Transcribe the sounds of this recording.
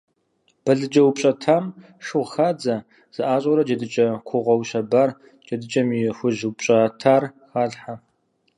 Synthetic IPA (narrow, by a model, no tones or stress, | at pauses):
b̥ɐɮɨd͡ʒɐwʊpʼɕʼɐtʰaːm | ʂʊʁxaːd͡zɐ | z̥ɨʔaːɕʼɔɾɐd͡ʒɐdɨt͡ʃʼɐkʷʰʊʁʷɔwɕɐbaːr | d͡ʒɐdɨt͡ʃʼɐmixʷʊʑwpɕʼatʰaːrxaːɮħa